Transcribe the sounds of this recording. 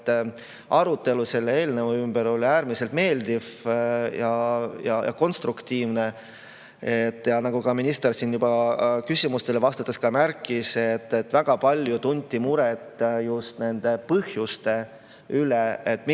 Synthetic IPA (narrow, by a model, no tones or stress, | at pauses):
ʔɑɾut̪ːe̞luse̞lːee̞ːlnevuymb̥e̞ɾo̞lʲiæːɾmise̞lt̪me̞ːld̪̥iv̥jɑjɑjʔɑ̰ko̞nst̪ɾukt̪iːvne | et̪ːˑjɑnɑɡ̥ukɑminist̪ersinjub̥ɑkysʲimust̪e̞levɑst̪ɑt̪ːˑeskɑmæɾkːˑise̞t̪ːet̪ːvæɡ̥ɑpɑlʲjut̪unʲt̪ʲːimuɾɛt̪ːˑjust̪ne̞nd̪̥e̞pɤhjust̪e̞ | yleet̪ːˑm